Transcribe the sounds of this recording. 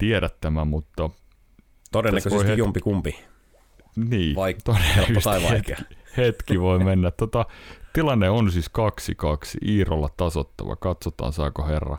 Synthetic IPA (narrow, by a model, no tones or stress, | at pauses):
t̪ieɾæt̪ːæmæmut̪ːɑ | t̪odenːekoseoieisumpikumpi | niːɑit̪ːoɾenːysɑiʋɑet̪ːihet̪kiʋoimenːætt̪ot̪ɑt̪ilɑnːeonsiskɑksikɑksiiːrolːɑt̪ɑsot̪ːɑ̰ʋɑ̰kɑt̪sot̪ɑ̰ːnsɑːkoherːɑ̰